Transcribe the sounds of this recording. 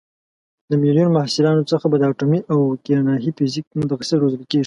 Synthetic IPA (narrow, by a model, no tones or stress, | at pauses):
d̪əmilijunmahsɪlɑnot͡səxabad̪əaʈomiʔawkeɾanɑɦifɪzik̚mʊt̪axɪsaɾozəlkeʐi̥